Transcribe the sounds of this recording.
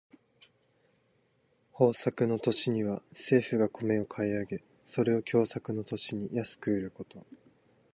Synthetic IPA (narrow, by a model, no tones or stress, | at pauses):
ho̞ːsakɯ̟no̞t̪o̞ɕiɲ̟iβase̞ːɸɯ̟ɡakʰo̞me̞o̞kʰaiaɡe̞ | so̞ɾe̞o̞kʲo̞ːsakɯ̟no̞t̪o̞ɕiɲ̟ijasɨ̥kɯ̟iɾɯ̟ko̞t̪o̞